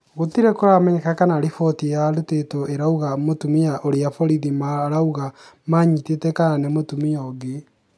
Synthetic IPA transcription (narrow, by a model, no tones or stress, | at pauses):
ɣotiɾɛkoɾamɛɲɛkakanaɾifɔtijaɾutetoʔeɾauɣamotumiaʔoɾeafɔɾiðimaɾauɣamaɲitetɛkananemotumiɔɡe